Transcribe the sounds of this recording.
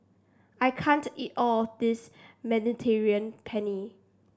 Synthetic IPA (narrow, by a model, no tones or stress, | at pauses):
ajkʰãntitɔdismɛ̃nitʰɛɹiə̃npʰɛni